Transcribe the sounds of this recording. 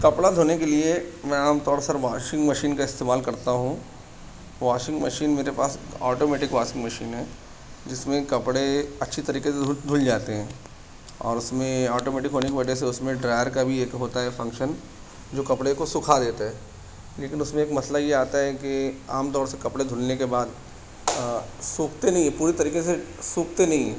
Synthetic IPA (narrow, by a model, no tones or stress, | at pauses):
kɐpɽad̪ʱoːnekeliemɛ̃aːmt̪ɔːɽsɐɾʋaːʃɪ̃ŋɡmɐʃiːnkaɪst̪eːmaːlkɐɾt̪aɦũ | ʋaːʃɪ̃ŋɡmɐʃiːnmeːɾepaːskɔːʈoːmeːʈɪkʋaːʃɪ̃ŋɡmɐʃḭːnɦɛː | d͡ʒɪsmẽkɐpɽeɐtːʃʰit̪ɐɾiːkes̬ed̪ʱʊld͡ʒaːt̪eɦɛ̃ː | ɔ̰ːɾʊsmẽɔːʈoːmeːʈɪkɦoːnekibɐd͡ʒʱeseʊsmẽɖɾaːɪəɾkabʱieːkɦoːt̪aɦɛfɐ̃ŋkʃən | d͡ʒoːkɐpɽekosʊkʰad̪eːt̪aɦɛː | leːkɪnʊsmẽeːkmɐslajeaːt̪aɦɛkiaːmt̪̬ɔːɾsekɐpɽed̪ʱʊlnekebaːd̪ | suːkʰt̪enɐɦĩɦɛpuːɾet̪ɐɾiːkes̬e | suːk̚t̪enɐɦĩɦɛ̃ː